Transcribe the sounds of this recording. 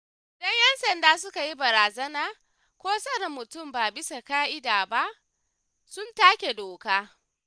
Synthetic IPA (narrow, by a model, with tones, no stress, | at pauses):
ɪ˨dɐ˦ɲjɛ˦nsɐ˨ndaː˦sʊ˦ka˨ji˦bɐ˨ɾaː˨zɐ˦naː˨ | kʷoː˦sɐ˦ɾɐ˨mːʊ˨tʊ˦˨mbaː˨bɪ˦sa˨kaː˦ʔɪ˦daː˨ba˦ʔ | sʊ˦ntaː˦kʲe˨doː˨kaː˦